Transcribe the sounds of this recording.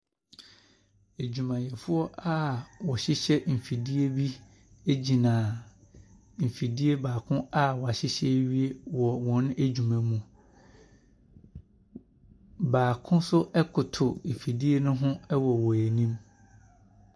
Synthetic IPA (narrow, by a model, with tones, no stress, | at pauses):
e˨d͡ʑᶣu˨mã˨jɛ˨fʊ˦ɔ˦ʔa˦wɔ˨ɕɪ˦ɕɛ˦m̩˨fi˨di˦e˦bi˦ | e˦d͡ʑi˨nãː˨ | m̩˨fi˨di˦e˦baː˨kʰʊ̃˦a˦wɔ˨a˨ɕɪ˦ɕɛ˦ɥi˦e˦wɔ˨wɔ̃˨˦ñ˦e˦d͡ʑu˨mã˨mũ˨ | baː˨kʰʊ̃˦sʊ˦ʔɛ˦kʰʊ˨tʰʊ˨m̩˨fi˨di˦e˦nʊ̃˦ɦʊ̃˦ɛ˦wɔ˨wɔ˨æ˨nĩ˦m